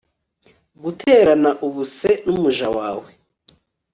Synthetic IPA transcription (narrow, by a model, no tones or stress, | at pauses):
ɡutʰe̞ːɾanaʔuβuse̞numuʒawaːwe